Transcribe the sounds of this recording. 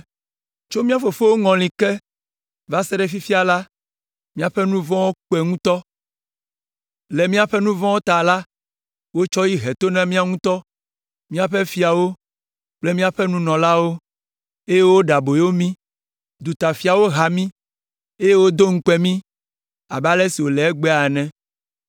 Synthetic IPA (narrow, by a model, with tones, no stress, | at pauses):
t͡ʃo˦mĩ˦a˦fo˨fo˦wo˦ŋɔ̃˨lĩ˨kɛ˦ | va˦sɛ˦ɖɛ˨fi˦fi˦a˨la˦ | mĩ˦a˨ɸɛ˦nũ˦vɔ̃˦wo˦k͡pɛ˨ŋũ˦t̪ɔ˦ | lɛ˨mĩ˦a˨ɸɛ˦nũ˦vɔ̃˦wo˦t̪a˨la˦ | wo˦t͡ʃɔ˦ji˦ɦɛ˨t̪o˦nã˦mĩ˦a˨ŋũ˦t̪ɔ˦ | mĩ˦a˨ɸɛ˦fi˦a˨wo˦ | k͡ple˦mĩ˦a˨ɸɛ˦nũ˦nɔ̃˨la˦wo˦ | e˦je˦wo˦ɖa˨bo˨jo˦mĩ˦ | d̪u˨t̪a˨fi˨˦a˨wo˦ɦa˨mĩ˦ | e˦je˦wo˦d̪o˦ŋ̩˦k͡pɛ˨mĩ˦ | a̰˨ba˦lɛ˦si˨wo˨lɛ˨˦ɛ˦ɡ͡bɛ˦a˨nɛ̃˦